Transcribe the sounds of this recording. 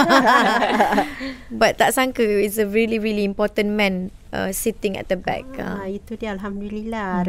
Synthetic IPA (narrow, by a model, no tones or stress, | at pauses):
bat̪̚t̪aʔsãŋkəisəɹiliɹilĩːmpɔt̪ə̃nmɛ̃n | ʔə̰sit̪ɪ̃ŋɛ̰t̪̚dəbɛ̰k̚a̰it̪udiəalɦamd̪ilila